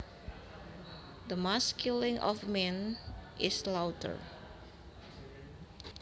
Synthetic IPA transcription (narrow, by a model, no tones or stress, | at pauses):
d̪əmaskjulɪ̃ŋʔɔ̰fmɛ̃nʔɪslawtʰə̰ɹ